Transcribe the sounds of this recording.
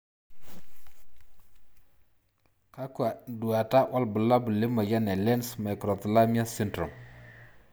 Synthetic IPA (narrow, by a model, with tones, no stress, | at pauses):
ka˦kwa˨du˨a˨ta˦wʔa˦lbu˨la˦bu˨le˦ma˨ja˦nɛ˨lɛ˦nsma˨kɾɔ˨tə˨la˦mi˦a˦si˦ndɾɔ˨m